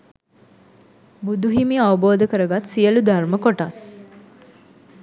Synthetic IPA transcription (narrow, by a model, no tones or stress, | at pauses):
bud̪uɦimiaʋəboːd̪əkəɾəɡat̪sijəlud̪arməkoʈas